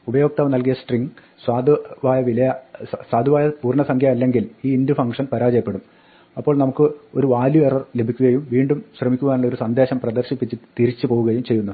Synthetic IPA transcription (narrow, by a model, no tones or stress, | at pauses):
ubɐjo̞ːk̚t̪aːʋɐnɐlk̬ijɐsʈriŋɡ | swaːd̪ʋaːjɐʋilɐjɐswaːd̪ʱiʋaːjɐpuːrɳɐsɐŋkʰjaɐlːe̞ŋɡiliːindɨfɐŋkʂɐnpɐɾaːd͡ʑɐjɐpːe̞ɽum | ɐpːo̞ːɭnɐmukːɨoɾuʋaːljuerɐrle̞bʱikʲːuɣɐjumʋiːɳɖumɕrɐmikʲːuʋaːnuɭːɐo̞ɾusɐnd̪ʱeːɕɐmprɐd̪ɐrɕipːit͡ɕːɨt̪iɾit͡ɕːɨpo̞ːʋuɣɐjumt͡ɕe̞jːunːɐ